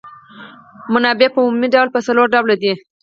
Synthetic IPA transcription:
mʊnɑbepəumumiɖawlpəsaloɾɖablad̪i

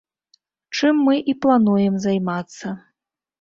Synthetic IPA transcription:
t͡ʂɨmːɨʔiplˠanujɛmzajmat̪sːɐ

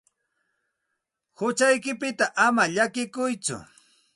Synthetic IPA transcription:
hʊt͡ʃajkɪpɪt̪aʔamaʎakɪkʊjt͡sʊ̰

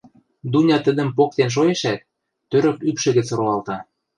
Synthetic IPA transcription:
d̪unʲɑt̪ə̆d̪ə̆mpok̚t̪enʃ̬ojeʃæt̪̚ː | øɾø̆kypʃɘ̆ɣə̆t͡sɾoɑlt̪ɑ

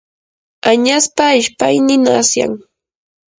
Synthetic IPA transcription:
aɲaspaɪʃpajnɪnasja̰ŋ

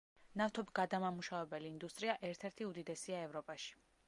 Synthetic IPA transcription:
naft̪ʰɔbiɡ̥ad̪amamuʃavɛbɛliːnd̪ust̪ʼɾiaʔɛɾt̪ʰɛɾt̪ʰiud̪id̪ɛsiaɛvɾɔpʼaʃi̥

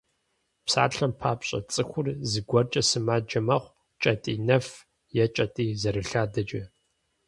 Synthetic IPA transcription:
psa̰ːɬɐmpʰaːpɕʼɐ̰t͡sʼɨxʷʊrzɨɡʷɔrt͡ʃʼɐsɨmaːd͡ʒɐmɐχʷ | t͡ʃʼɐtʼiːnɐf | jɛt͡ʃʼɐtʼiːzɐɾɨɬaːdɐd͡ʒɐ

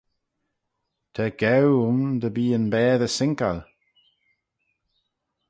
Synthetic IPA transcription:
t̪ʰɛɡ̥ɛwʊmd̪əbiːənbɛːðəsɪŋka̰l

